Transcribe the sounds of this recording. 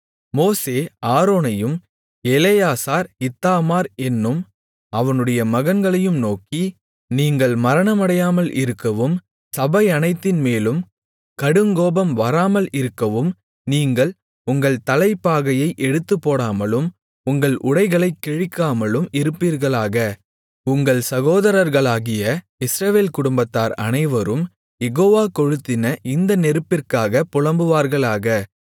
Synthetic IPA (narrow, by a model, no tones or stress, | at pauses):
moːseːaːɾoːnɐjɯm | ɛlejaːsaːɾɪt̪ːaːmaːɾɛnːɯm | ɐʋɐnɯɽɐjɐmɐɣɐnɡɐɭɐjɯmnoːki | niːŋɡɐɭmɐɾɐɳɐmɐɽɐjaːmɐlʔɪ̰ɾɯkːɐʋɯm | sɐbɐɪɐnɐɪt̪ːɪnmeːlɯm | kɐɽɯŋɡoːbɐmʋɐɾaːmɐlɪɾɯkːɐʋɯm | niːŋɡɐɭ | ʊŋɡɐɭt̪ɐlɐɪpːaːɣɐjɐɪʔɛɽɯt̪ːɯpːoːɽaːmɐlɯm | ʊŋɡɐɭʔʊɽɐɪɣɐɭɐɪkːɛɻɪkːaːmɐlɯmɪɾɯpːiːɾɣɐɭaːɣɐ | ʊŋɡɐɭsɐɣoːðɐɾɐɾɣɐɭaːɣɪjɐ | ɪsɾɐʋeːlkʊɽʊmbɐt̪ːaːɾɐ̰nɐɪʋɐɾɯm | jɛɣoːʋaːkɔɻɯt̪ːɪnɐʔɪnd̪ɐnɛɾɯpːɪrkaːɣɐpʊɻɐmbɯʋaːɾɣɐɭaːɣɐ